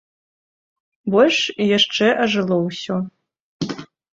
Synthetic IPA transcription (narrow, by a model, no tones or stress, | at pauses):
bɔlʲʂjaʂʈ͡ʂɛʔaʐɨlˠowso